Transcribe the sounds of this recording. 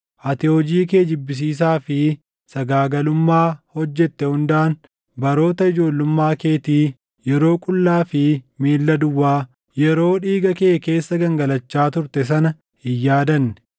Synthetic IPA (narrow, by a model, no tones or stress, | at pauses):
ʔɐt̪ɪod͡ʒiːke̞ːd͡ʒɪbːɪs̬iːs̬aːfɪ | sɐɡaːɡɐlʊmːaːhɔd͡ʒːɛt̪ːɛhʊnd̪aːn | bɐɾo̞ːt̪ɐɪd͡ʒo̞ːlːʊmːaːke̞ːt̪iː | jɛɾo̞ːkʼʊlːaːfɪmeːlːɐd̪ʊwːaː | jɛɾo̞ːᶑiːɡɐkeːke̞ːsːɐɡɐŋɡɐlɐt͡ʃːaːt̪ʊɾt̪ɛs̬ɐnɐ | ɪjːaːd̪ɐnːɛ̥